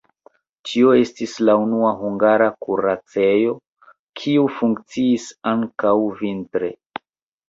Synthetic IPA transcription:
t͡ʃio̞e̞stislaunuaɦuŋɡaɾakuɾat͡se̞jo̞ | kʰiufuŋkt͡siːsaŋkawvintɾe̞̰

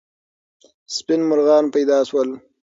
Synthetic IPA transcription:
spɪnmʊɾɣɑːnpajd̪ɑːswəl

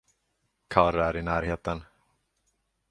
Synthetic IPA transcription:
kʰaɾæɾɪnæːɾheːt̪ən

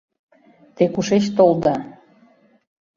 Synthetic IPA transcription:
t̪ekuʃet͡ɕt̪old̪ɑ

